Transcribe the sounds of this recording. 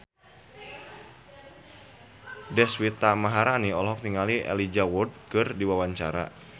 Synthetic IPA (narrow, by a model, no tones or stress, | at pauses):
dɛswit̪amaɦaɾaniɔlɔɦɔk̚t̪iŋaliʔɛ̰lid͡ʒawud̚kɨrdiwawaɲt͡ʃa̰ɾa̰